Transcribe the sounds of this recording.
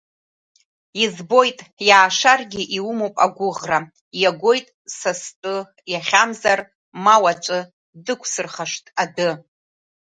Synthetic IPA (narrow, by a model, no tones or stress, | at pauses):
izbo̞jtʼjaːʂarɡʲiʔiwumowpʼa̰ɡʷʊʁra | jaɡʷo̞jtʼsastʼɨ | jaχʲamzar | mawat͡ʃʷʼɨ | dɨkʷʰsɨrχaʂtʼadɨ